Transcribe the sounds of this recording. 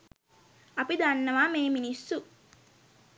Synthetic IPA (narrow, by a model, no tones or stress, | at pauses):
ɐpid̪anːɐʋaːmeːminisːu